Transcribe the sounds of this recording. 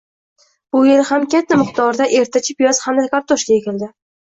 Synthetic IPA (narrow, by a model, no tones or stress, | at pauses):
b̥ʊjelhamkʲat̪ʰːamɨqt̪ʰɒɾd̪aʔe̞ɾt̪ʰat͡ʃʰɪpjɒzhamd̪akaɾt̪ʰoʃkʲaekʲɪld̪ɪ